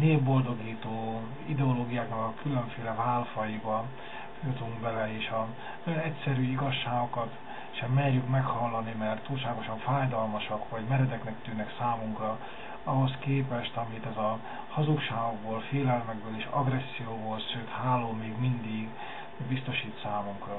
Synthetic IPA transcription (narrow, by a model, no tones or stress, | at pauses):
neːbbo̞ld̪o̞ɡiːt̪oː | id̪ɛoloːɡijaːknɒkɒkʰylø̞ɱfeːlɛvaːlfɒjibɒ | fjot̪uŋkbɛlɛeːʃɒ | nɒjonɛcsɛɾyːiɡɒʃːaːɡo̞kɒt̪ | ʃɛmːɛrjykmɛkhɒlːɒnimɛrt̪ːuːlʃaːɡo̞ʃɒɱfaːjd̪ɒlmɒʃɒkʋɒɟmɛɾɛd̪ɛknɛkt̪yːnɛksaːmuŋkrɒ | ɒɦo̞skeːpɛʃt̪ɒmit̪ɛzɒ | hɒzukʃaːɡoɡboːlfeːlɛlmɛɡ̚bøːleːʃɒ̰ɡrɛsːijoːboːlʃsøːt̪haːlːoːmeːɡmind̪iɡ | bist̪o̞ʃiːt̪saːmuŋkrɒ